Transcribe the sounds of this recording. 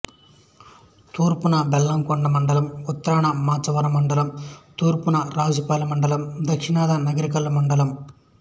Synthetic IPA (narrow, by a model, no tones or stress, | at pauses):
t̪uːɾpunɐbɛlːɐmkɔɳɖɐmɐɳɖɐlɐmut̪ːɐɾaːɳɐmaːt͡ʃɐʋɐɾɐmɐɳɖɐlɐmt̪uːɾpunɐɾaːd͡ʒupɐːlɐmɐɳɖɐlɐmd̪ɐkʂinaːd̪ɐnɐɡɐɾik̬ɐlːɐmɐɳɖɐlɐm